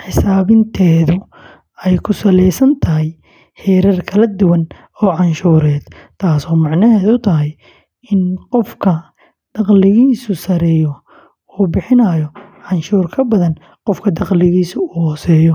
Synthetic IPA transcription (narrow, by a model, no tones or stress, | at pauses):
ħɪsaːβɪnt̪ʰɛːðʊ | ɛjkʰʊsɐlɛjsɐnt̪ʰɐɦɛj | ħɛːɾɐrkʰɐlɐd̪ʊwɐn | ɔːʕɑnʃuːɾɛːd̪̥t̪ʰaːsɔːmɑʕnɐɦɛːðʊt̪ʰɐɦɐj | ɪnqɔfkʰɐ | d̪̥ɑqlɪɣiːsʊsɐɾɛːjɔ | uːbɪħɪnɐːjɔʕɑnʃuːrkʰɐbɐðɐn | qɔfkʰɐd̪ɑqlɪɣiːsʊːhɔːsɛːjɔ